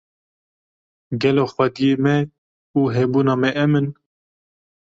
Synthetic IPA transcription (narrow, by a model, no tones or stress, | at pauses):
ɡɛloːxwɛd̪ijeːmɛ | uːɦɛbuːnɑːmɛʔɛmɨn